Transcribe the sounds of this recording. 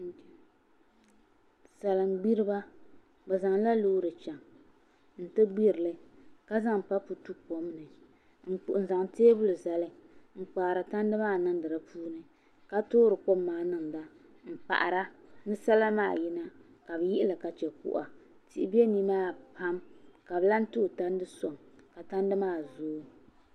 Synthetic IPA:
sa˨lɨ˨mɡ͡bi˦ɾɨ˦ba˦ | bɛ˨za˨ŋla˦loː˦ɾɨ˨t͡ʃɛ˨ŋ | n̩˨tɨ˦ɡ͡bi˦ɾɨ˨lɨ˦ka˦za˦ŋpa˦pu˨tu˦po˨m˦nɨ˨ | ŋ̩˨k͡pʊ˨ʔn˨za˨ŋteː˦bʊ˦lɨ˨za˨lɨ˦ŋ͡m̩˨k͡pa˨ɾa˨ta˦n˦dɨ˦maː˦˨nɨ˦ŋ˦dɨ˨ɾa˨puː˦nɨ˨ | ka˦toː˦ɾɨ˨ko˦mːaː˨˦˨nɨ˦ŋ˨da˦ | ŋ̩˨k͡pa̰˨ʔa̰˨ɾa˦nɨ˦sa˦la˦maː˦˨ji˦na˦ | ka˨bɨ˨˦ji˦ʔɪ˦la˨ka˨t͡ʃɛ˨kʊ̰˨ʔa̰˨ | ti˨ʔɪ˨bi˦e˦ni˦maː˦pʰa˦mka˨bɨ˦la˦n˦tu˦˨ta˦n˦dɨ˦so˨ŋka˨ta˦n˦dɨ˦maː˦˨zoː˦

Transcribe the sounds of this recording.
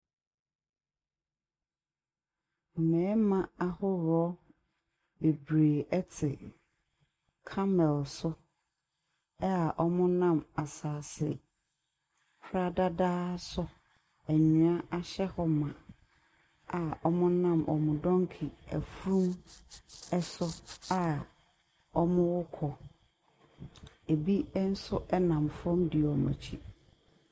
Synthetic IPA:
mʊ˨mɛ̃ː˨˦mã˨a˦hʊ˦ɾɔ˦ | be˨bɾeː˨ɛ˦tʰɪ˨ | kʰa˦mɛ˨lsʊ˦ | a˨ʔɔ˦mʊ̃˦nã˦ma˨saː˨sɪ˨ | kʰɾa˦da˦daː˦sʊ˦ | æ˨ɲũ˨a˦ʔa˨ɕɛ˦hɔ˦mã˨ | a˨ɔ˦mʊ̃˦nã˦mʔɔ̰˨mʊ̃˨dɔ̃˦ŋkʰi˨æ̰˨fu˦ɾũ˦m | ɛ˦sʊ˦a˨ | ɔ˦mʊ̃˦wʊ˦kʰɔ˨ | e˨bi˦n̩˦sʊ˦ʔɛ˦nã˨mfɔ̃˦mdɪ˨ɔ˨mã̰˨t͡ɕʰḭ˦˨

